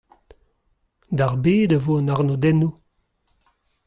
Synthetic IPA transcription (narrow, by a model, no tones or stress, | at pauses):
d̪aʁbeːdəvonaʁnodɛnu